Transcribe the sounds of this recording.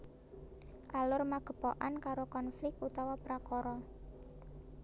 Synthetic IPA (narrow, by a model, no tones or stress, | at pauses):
ʔalʊrmaɡ̥ə̤pɔ̰ʔankaɾokɔnflɪk̚t̪ut̪awapəɾakɔɾɔ